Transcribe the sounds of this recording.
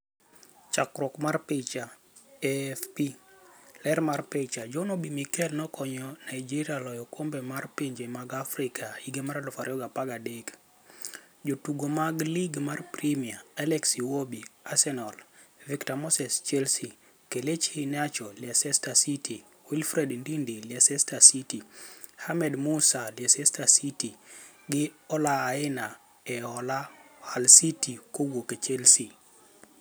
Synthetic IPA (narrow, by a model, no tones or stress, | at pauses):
t͡ʃakɾɔkmarpɪt͡ʃa | ɛfpi | lɛɾmarpɪt͡ʃad͡ʒɔnobimikɛlnɔkɔɲɔnaid͡ʒiɾjalɔjɔkombemarpiɲd͡ʒemaɡafrɪkʰaiɡemaɾalʊfaɾjɔɡapaɡadek | d͡ʒotuɡomaɡliɡmarprimiaalɛksiwobiasɛnɔl | viktamɔsɛst͡ʃɛlsi | kelet͡ʃhinat͡ʃɔlɪasɛstasitʰi | wilfɾɛdndindeljasɛstasitihamɛdmusalɪasɛstasiti | ɡɪɔlaːɪna | ɛɔlahalsitikowoket͡ʃɛlsi